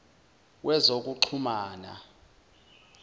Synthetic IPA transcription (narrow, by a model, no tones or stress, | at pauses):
wʔɛzok̬ʼuǃʰumaːna̰